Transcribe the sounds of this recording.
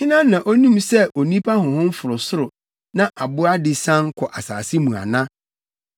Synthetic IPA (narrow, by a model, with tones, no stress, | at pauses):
hɪ̃˦nã˦nã˨ʔo˦nũ˦msɛ˦o˨nĩ˦pʰa˦hʊ̃˨hʊ̃˦m̩˦fʊ˨ɾʊ˨sʊ˦ɾʊ˨ | nã˦ʔa˨bʊ˦a˦dɪ˨sã˦ŋkʰɔ˨ʔa˨sa̰ː˨sɪ˦mũ˨a̰˨nã˦